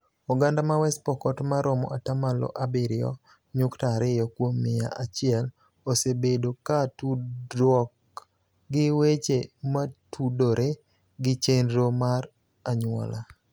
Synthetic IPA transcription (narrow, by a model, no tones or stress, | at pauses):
ɔɡandamawɛspɔkɔtmaɾɔmɔ̰ʔatamalɔ̰ʔabiɾɪɔ̰ | ɲʊktaɾɪjɔkwomːɪja̰ʔat͡ʃɪɛl | osebedokatudwɔk | ɡɪwet͡ʃematʰudoɾʔe | ɡɪt͡ʃenɾomaɾ | aɲwɔ̰la